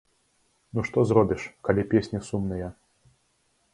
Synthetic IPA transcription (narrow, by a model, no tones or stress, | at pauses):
nuʂt̪ɔzɾɔbʲiʂkɐlʲipʲesʲnʲisumnɨjɐ